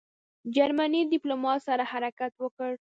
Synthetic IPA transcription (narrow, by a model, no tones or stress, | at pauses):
d͡ʒaɾmanid̪ɪplomɑt̪saɾahaɾakat̪wəkəɽ